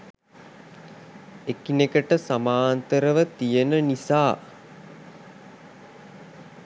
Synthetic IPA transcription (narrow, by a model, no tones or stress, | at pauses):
ekinekəʈəsamaːnt̪əɾəʋət̪ijənənisaː